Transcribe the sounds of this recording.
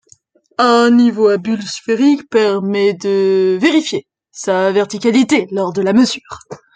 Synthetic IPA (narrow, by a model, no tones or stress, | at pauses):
ɛ̃nivoabylsfeʁikpɛʁmɛd̪əveʁifje | savɛʁt̪ikʲalit̪elɔʁd̪əlaməzyːʁ